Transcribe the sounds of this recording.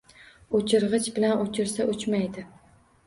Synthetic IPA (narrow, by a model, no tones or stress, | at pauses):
ot͡ʃʰɪɾʁɨt͡ʃbɪlanot͡ʃʰɪɾsaʔʊt͡ʃmajd̪ɪ